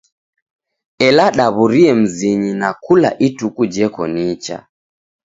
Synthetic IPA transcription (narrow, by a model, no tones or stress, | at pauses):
ɛlaɗaβuɾiɛm̩ziɲinakula̰ʔitukud͡ʒɛkɔ̰nit͡ʃa̰